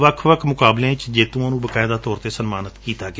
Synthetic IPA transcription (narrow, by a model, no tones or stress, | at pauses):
ʋəkʰʋəkʰmʊkaːblẽːɪt͡ʃd͡ʒeːt̪ũãːnũːbəkaːɪd̪aːt̪ɔːɾt̪eːsənmaːnət̪kiːt̪aːɡ